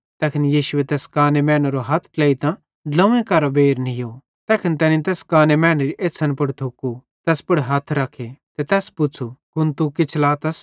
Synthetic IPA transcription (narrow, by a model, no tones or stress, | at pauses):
t̪ɛːkʰɪnjiːʃʊet̪ɛːskaːnemɛ̃ːnɾoɦɐt̪ʰkleːit̪ã | lɐ̃ẽkɐɾobeːɾnijo | t̪ɛːkʰɪnt̪ɛːnĩt̪ɛːskaːnemɛːnɾiʔeːsʰɐnpɐɽt̪ʰʊku | t̪ɛːspɐɽɦɐt̪ʰɾɐkʰet̪ɛt̪ɛːspʊt͡sʰukʊnt̪ukɪt͡ʃʰlaːt̪ɐs